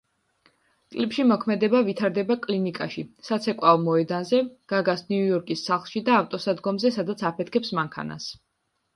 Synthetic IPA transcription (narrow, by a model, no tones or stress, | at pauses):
kʼlipʃimɔkʰmɛd̪ɛbavit̪ʰaɾd̪ɛbakʼlinikʼa̰ʃisat̪sʰɛkʼwaɔmɔɛd̪anzɛɡ̥aɡasniujɔɾkʼisːaχlˠʃid̪aːft̪ʼɔsad̪ɡɔmzɛsad̪at̪sʰapʰɛt̪̚ʰkʰɛpsmaŋkʰa̰na̰s